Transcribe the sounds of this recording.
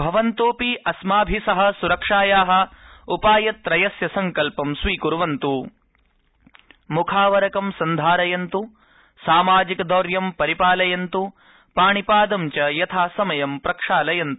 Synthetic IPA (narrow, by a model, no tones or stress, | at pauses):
bʱɐʋɐnt̪oːpiʔɐsmaːbʱisɐɦɐ̆suɾɐkʂaːjaːɦɐ̆upaːjɐt̪ːɾɐjɐsjɐsɐŋkɐlpɐmsʋiːkuɾuʋɐnt̪u | mukʰaːʋɐɾɐkɐmsɐnd̪ʱaːɾɐjɐnt̪u | saːmaːd͡ʒikɐd̪oːɾjɐmpɐɾipaːlɐjɐnt̪u | paːɳipaːd̪ɐmt͡ʃɐjɐt̪ʰaːsɐmɐjɐmpɾɐkʂaːlɐjɐnt̪u